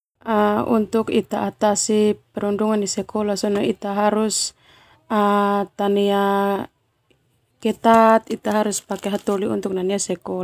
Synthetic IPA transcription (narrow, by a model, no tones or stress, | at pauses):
aṵnt̪ukit̪aʔat̪asipɛɾɔnduŋandisɛkʰɔlasɔnɔit̪aɦaɾus | at̪ania | kɛt̪at̪it̪aɦaɾuspakɛɦat̪ɔliṵnt̪uk̚naniasɛkɔl